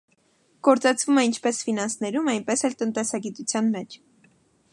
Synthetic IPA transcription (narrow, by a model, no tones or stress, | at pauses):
ɡ̥ɔɾt͡sɑt͡sʰvumɛint͡ʃʰpɛsfinɑnsnɛɾumɑjnpɛsɛlt̪ənt̪ɛsɑɡit̪ut͡sʰjɑnmɛt͡ʃʰ